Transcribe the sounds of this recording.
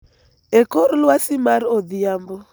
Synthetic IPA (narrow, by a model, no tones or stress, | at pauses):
ɛkɔɾulwasimaɾɔðiambɔ